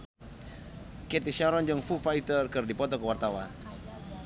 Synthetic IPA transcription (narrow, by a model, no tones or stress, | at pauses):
kɛt̪iʃaɾɔɲd͡ʒɔŋfufait̪ərkɨrdipɔt̪ɔkəwart̪awan